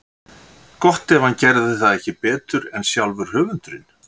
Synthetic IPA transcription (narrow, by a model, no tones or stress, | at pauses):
kɔht̪ɛvancɛɾðɪθaðɛhcɪpɛːt̪ʏɾɛnsjawlvʏɾ̥hœːvʏnt̪ʏɾɪn̥